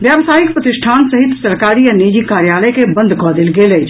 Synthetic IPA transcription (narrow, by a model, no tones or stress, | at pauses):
bjabsaːikpɾət̪iʃʈʰaːnsəɦit̪səɾkaɾianid͡ʒikaɾjaləjkebə̃nd̪ʱkɔd̪elɡelət͡ʃʰ